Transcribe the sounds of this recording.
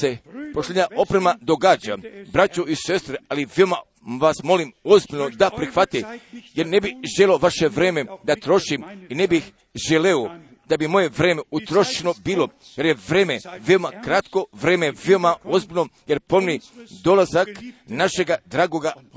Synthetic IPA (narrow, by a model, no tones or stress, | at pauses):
se̞poʃlʲeɲao̞pɾemad̪o̞ɡaːd͡ʑabɾat͡ɕuise̞st̪ɾealiʋeoma | ʋasmo̞limo̞zbilʲno̞d̪apɾixʋat̪ije̞ɾne̞biʒelʲeoʋaʃe̞ʋɾe̞ːme̞d̪at̪ɾo̞ʃiminebix | ʒeleo | d̪̥abimo̞je̞ʋɾe̞ːmeut̪ɾo̞ʃt͡ʃeno̞biːlo̞ | je̞ɾje̞ʋɾeːmeʋeomakɾat̪ko̞ʋɾe̞ːmeʋeomao̞zbilʲnoje̞ɾpo̞nnid̪o̞lazaknaʃe̞ɡad̪ɾaːɡo̞ɡa